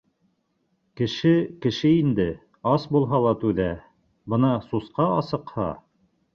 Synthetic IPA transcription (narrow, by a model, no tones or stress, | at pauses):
kɘ̆ʃɘkɘ̆ʃɘind̪ɘ | ɑsbulˠɦɑlˠɑt̪ʉðæ | bɤnɑsusqɑɑsɤ̆qhɑ̰